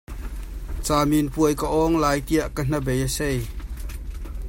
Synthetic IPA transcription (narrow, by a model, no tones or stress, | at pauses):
t͡saːminpuəjkəʔɔŋlaːjt̪iɐʔkən̥ɐbɛjəsej